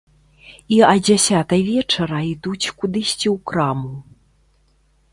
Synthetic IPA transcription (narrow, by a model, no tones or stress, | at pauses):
iɐd͡zʲasʲat̪ɐjvʲɛt͡ʂɐɾɐid̪ut͡sʲkud̪ɨsʲt͡sʲiwkɾamu